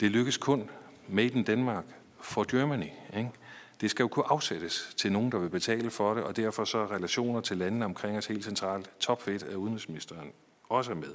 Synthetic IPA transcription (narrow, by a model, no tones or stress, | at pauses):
d̥e̝løɡ̥əskʰɔ̽nmed̥n̩d̥ænmɑ̈ːɡ̥ | fɒd̥jømænieŋd̥e̝sɡ̥æjo̝kʰuʔɑ̈ʊseɾ̥əst͡sʰe̝lno̝ːn̩d̥ɑ̈ʋe̝b̥e̝t͡sʰɛ̰ːləfɒ̽ɾe̝ʔɒ̽d̥æɐfɒ̽sɒ̽ʁɛlæɕo̝̰ːnɐt͡sʰe̝lːænən̩əɒ̽mkʰʁeŋ̰ɒshe̝̰ːldsent͡sʰʁɑ̰̈ːlt͡sʰɒ̽b̥fed̥æuðˠn̩ʁisminisd̥ɐːn | ɒ̽s̬əmeðˠ